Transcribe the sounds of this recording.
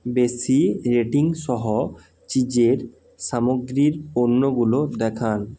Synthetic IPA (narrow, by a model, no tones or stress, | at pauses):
besiɾeʈiŋʃɔɦo | t͡ɕid͡ʑeɾ | samoɡɾiɾonːoɡulod̪ɛkʰan